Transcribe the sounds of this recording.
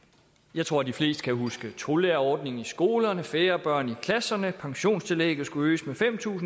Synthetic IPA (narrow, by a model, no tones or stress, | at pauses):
jɑ̈ɪt͡sʰʁo̝ɐ̰d̥ifle̝̰ːsd̥ə̥kʰæɦusɡ̥ət͡sʰʁo̝leɐɒːd̥ne̝ŋ̩isɡ̥o̝ːlɐnəfeːɐb̥ɶɐ̰nikʰlæsɐnəpʰɑ̈ŋɕo̝̰ːnst͡sʰe̝lḛːɡ̥ð̩ˠsɡ̥uø̰ːsmefem̰t͡sʰṵːsn̩